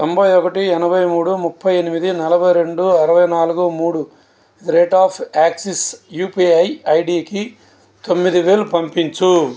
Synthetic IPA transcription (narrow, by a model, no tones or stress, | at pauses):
t̪ombɐjɔkɐʈiɛnɐbʱɐjmuːɽumupʰːɐjenimid̪inɐlɐbʱɐjɾe̞ɳɖuɐɾɐʋɐjnaːluɡumuːɽu | iiɾeːʈaːpʰaːksisjuːpiːɐjɐjɖiːki | t̪o̞mːid̪iʋeːlupɐmpiɲt͡ʃu